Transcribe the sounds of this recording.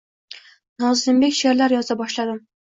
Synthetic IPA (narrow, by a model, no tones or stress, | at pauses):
nɑwzɪmbekʲʃeɾlæɾjɒzɑbɒʃlˠɑd̪ɨm